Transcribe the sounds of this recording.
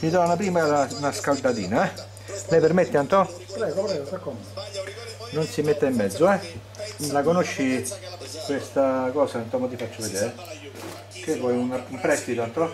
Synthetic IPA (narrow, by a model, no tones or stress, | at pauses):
mit̪ɔanap̬ɾiːmalanaskald̪at̪ḭːnaɛ | lɛpeɾmet̪ːeant̪ɔ | pɾɛːɡopɾɛːɡopeɾkom | nonsimet̪ːaimːɛd̪zːoɛ | lakonoʃːi | kwest̪akɔːsaant̪ɔmot̪ifat͡ʃːoved̪eːɾ | k̟evːɔjunaumpɾɛst̪it̪oant̪ɔ